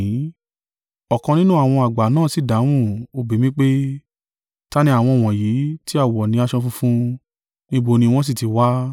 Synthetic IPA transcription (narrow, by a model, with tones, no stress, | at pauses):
ɔ˨kɔ̃˧nĩ˦nũ˦a˨w̃ɔ̃˧a˨ɡ͡ba˨˦nãː˦˨si˨˦˨da˨˦w̃ũ˦˨o˧bi˨˦mĩ˦k͡pe˦ | ta˦nĩ˦a˨w̃ɔ̃˧ɔ˨w̃ɔ̃˨ji˨˦ti˦a˦˨wɔ˨nĩ˨˦a˧ʃɔ̃˧fũ˧˦fũ˦ | nĩ˦ɡ͡bo˧nĩ˧w̃ɔ̃˦s̬i˦˨ti˨˧˦wa˦